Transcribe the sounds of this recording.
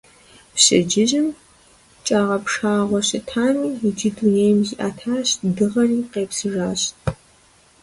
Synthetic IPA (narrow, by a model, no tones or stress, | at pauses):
pɕʼɪ̰d͡ʒɪʑɪm | t͡ʃʼaːʁɐpʂaːʁʷɔɕɪtʰaːniːid͡ʒɪduneːjmziʔa̰ːtʰaːɕdɨʁɐriːqeːpsɨʐaːɕt